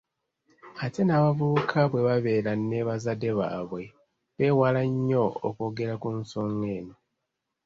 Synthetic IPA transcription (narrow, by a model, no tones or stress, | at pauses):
ate̞naːβavukʰaβwe̞βaβe̞ːɾane̞βazade̞βaːβwe̞ | βe̞ːwalaɲːo̞o̰ːko̞ɡe̞ɾakunsoŋɡe̞ːno